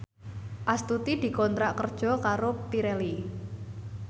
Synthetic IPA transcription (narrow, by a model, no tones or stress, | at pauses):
ʔast̪ut̪id̪̥i̤kɔnt̪ɾaʔkərd̥ʒ̥ɔ̤kaɾopiɾɛli